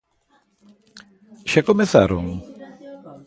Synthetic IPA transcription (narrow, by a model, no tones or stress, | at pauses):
ʃakomeθa̰ɾo̰ŋ